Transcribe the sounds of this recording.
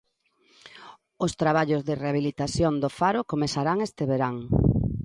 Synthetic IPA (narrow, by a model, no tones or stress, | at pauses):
ʊst̪ɾaβaʎʊzðɪreaβilit̪aθjond̪ofaɾʊkomesaɾaŋest̪eβeɾaŋ